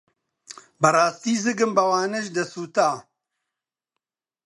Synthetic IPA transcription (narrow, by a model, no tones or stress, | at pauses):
bɐraːst̪iːzɨɡɨmbɐwaːnɐʒd̪ɐsuːt̪aː